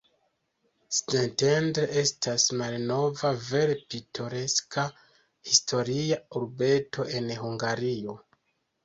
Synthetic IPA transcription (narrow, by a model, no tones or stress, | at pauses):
stentendɾeʔe̞stʰasmalno̞vave̞ɾpitʰo̞ɾe̞skʰa | histʰo̞ɾiauɾbe̞tʰo̞ʔe̞nhuŋɡaɾio̞